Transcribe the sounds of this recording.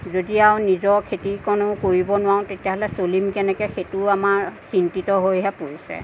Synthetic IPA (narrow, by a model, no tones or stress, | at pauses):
zodiaʊ̃nizɔɹkʰetikɔnʊ̃koɹibɔnʊwaʊ̃tetijaɦɔlɛsolimkɛnɛkɛxetuamaɹsintitɔɦojɦɛpoɹisɛ̰